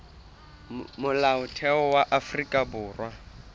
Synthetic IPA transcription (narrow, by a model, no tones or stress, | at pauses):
mʊlaʊtʰɛɔwaʔafrikʼabʊːrwa